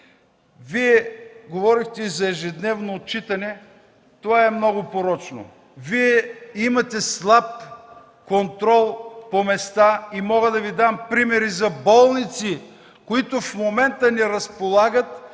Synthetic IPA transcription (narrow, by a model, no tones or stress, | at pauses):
viɛɡovɔɾixt̪ɛizɐɛʒɛd̪nɛvnoːt̪̚t͡ʃit̪ɐnɛ | t̪ovaɛmnɔɡʊpoɾɔt͡ʃno̰ | viɛimɐt̪ɛslˠap̚ | kont̪ɾɔlˠpomɛst̪aimɔɡəd̪ɐvid̪ampɾimɛɾizɐbɔlˠnit̪si | koit̪ʊfmomɛnt̪ənɛɾɐspolˠaɡət̪